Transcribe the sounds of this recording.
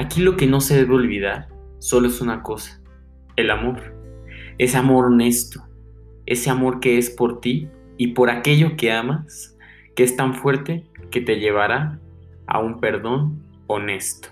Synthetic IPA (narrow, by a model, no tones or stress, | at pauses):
akilo̞ke̞no̞se̞ðe̞βeo̞lβiðaɾso̞loesunako̞sḁ | e̞lamo̞ɾ | e̞seamo̞ɾo̞ne̞st̪o | eseamo̞ɾke̞espo̞ɾt̪iː | po̞ɾake̞ʝo̞ke̞amas | ke̞est̪aɱfwe̞ɾt̪e̞ke̞t̪e̞ʝe̞β̞aɾa | a̰umpe̞ɾðo̞n | o̞ne̞st̪o̥